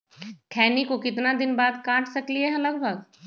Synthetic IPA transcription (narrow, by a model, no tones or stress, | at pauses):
kʰɛːnikokɪt̪nad̪ɪnbaːd̪kãːʈʰsɐkliɦɛɐləɡbʱəɡ